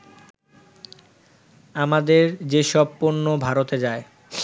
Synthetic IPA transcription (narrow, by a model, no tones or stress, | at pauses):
amad̪eɾd͡ʑeʃɔbpoɾnːobʱaɾot̪ed͡ʑae